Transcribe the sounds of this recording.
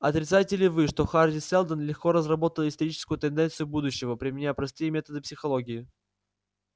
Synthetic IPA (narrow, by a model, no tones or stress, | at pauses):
ɐt̪ɾʲɪt̪sajtʲɪlʲɪvɨʂt̪o̞xardʲɪsɛlˠd̪ənlʲɪxkoɾəzrɐbo̞t̪əlˠɪst̪ɐɾʲit͡ɕɪ̥skʊjʊt̪ɨnd̪ɛnt̪sɨjʊbud̪ʊɕːɪvəpɾʲɪmʲɪnʲapɾɐst̪ɨjəmʲe̞t̪əd̪ɨpsʲɪxɐlˠoɡʲɪɪ